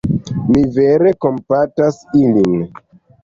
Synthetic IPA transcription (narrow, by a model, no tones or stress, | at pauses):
mive̞ɾe̞ko̞mpatasilin